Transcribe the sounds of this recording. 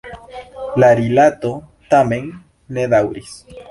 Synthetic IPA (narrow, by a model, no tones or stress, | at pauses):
laɾilat̪o | t̪amẽŋː | eðawɾis